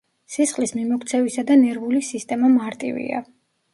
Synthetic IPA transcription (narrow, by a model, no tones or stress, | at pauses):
sisχlismimɔkʰt̪sʰɛvisad̪anɛɾvulisist̪ʼɛmamaɾt̪ʼḭvḭa̰